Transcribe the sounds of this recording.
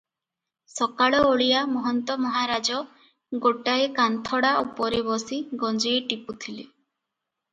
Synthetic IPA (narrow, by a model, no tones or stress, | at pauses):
sɔkaɭɔoɭijamɔɦɔnt̪ɔmɔɦaɾad͡ʒɔ | ɡoʈaekant̪ʰɔɽaʔupɔɾebɔsiɡɔnd͡ʒeeʈiput̪ʰile